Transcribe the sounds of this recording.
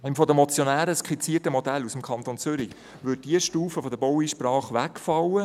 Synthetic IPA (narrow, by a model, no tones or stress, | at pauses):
imfɔd̪əmɔt͡sjɔnæːɾəskχit͡siətəmɔd̪ælusəmkʰχɑnt̪ont͡sʏɾi | ʋʏd̚d̥iəʃtuːfəfɔd̪əbɔwiʃprɑːχʋækfɑwə